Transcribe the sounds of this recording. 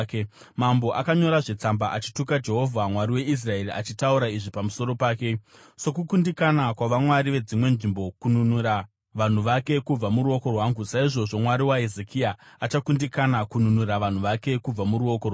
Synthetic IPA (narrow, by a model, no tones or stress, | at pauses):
k | mambo̞ʔakaɲo̞ɾaʐe̞t͡sambaʔat͡ʃi̥tukad͡ʒe̞ɦo̞vʱamwaɾiwe̞is̬rae̞riat͡ʃitauɾaiʐipamuso̞ɾo̞paːke̞ | so̞kukundikanakwaʋamwaɾiʋe̞d͡zimwe̞nʐimbo̞kununuɾa | ʋan̤uʋake̞kub͡vamuɾuo̞ko̞rwaŋɡusaiʐo̞ʐo̞mwaɾiwaezekʰiaːt͡ʃakundikanakununurɾaʋan̤uʋake̞kub͡vamuɾuo̞korw